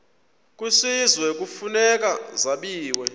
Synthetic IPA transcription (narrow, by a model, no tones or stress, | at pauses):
k̬ʼusizwɛk̬ʼufunɛk̬ʼazaɓiːwɛ